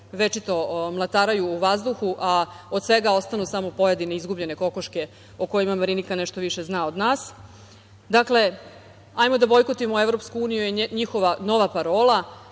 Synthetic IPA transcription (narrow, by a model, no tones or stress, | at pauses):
ʋe̞t͡ʃit̪o̞mlˠat̪aːɾajuːʋazd̪uxuʔaod̪sʋe̞ɡao̞st̪anusamopo̞jed̪ineizɡubʎe̞ne̞ko̞koʃke̞ | oko̞jimamaɾinikaneʃt̪o̞ʋiʃe̞znaːod̪naːs | d̪akle̞ | ajmo̞d̪abo̞jkot̪imoevɾo̞pskuuːnijujeɲixoʋano̞ʋapaɾo̞ːla